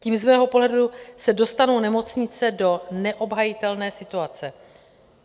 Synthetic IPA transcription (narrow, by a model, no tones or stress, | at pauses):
ciːmzmɛːɦo̞po̞ɦlɛdusɛdo̞st̪anownɛmo̞t͡sɲɪt͡sɛdo̞nɛʔo̞bɦajɪt̪ɛlnɛːsɪt̪uat͡sɛ